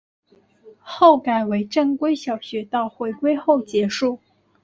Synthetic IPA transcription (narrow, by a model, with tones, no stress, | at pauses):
xo˥˩ʊka˨˩ɪwe˧˥ɪʈ͡ʂə˥˩ŋkwe˥ɪɕjɑ˨˩ʊɕɥɛ˧˥t̪ɑ˥˩ʊxwe˧˥ɪkwe˥ɪxo˥˩ʊt͡ɕjɛ˧˥ʂu˥˩